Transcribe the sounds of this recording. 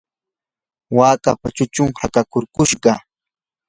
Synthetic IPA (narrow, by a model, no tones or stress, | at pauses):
waːkapat͡ʃʊt͡ʃʊŋhakakoɾkʊʃɢɑ